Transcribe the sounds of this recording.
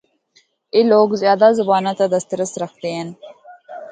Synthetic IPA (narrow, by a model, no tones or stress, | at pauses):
iloːɡzjɑːd̪azabɑːnat̪ad̪ast̪ɾəsɾɐxd̪ean